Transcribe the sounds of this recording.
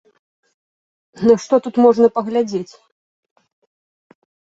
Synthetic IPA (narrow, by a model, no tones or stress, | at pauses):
nɐʂt̪ɔt̪ut̪mɔʐnɐpɐɣlʲad͡zʲet͡sʲ